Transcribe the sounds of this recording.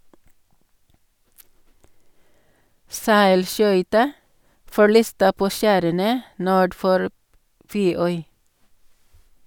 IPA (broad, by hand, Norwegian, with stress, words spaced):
ˈsæɪlˌʃœʏtɑ fɔˈɭiːstə ˈpoː ˈʃæːɾənə ˈnuːɖ ˈfɔɾ ˈfeːˌœʏ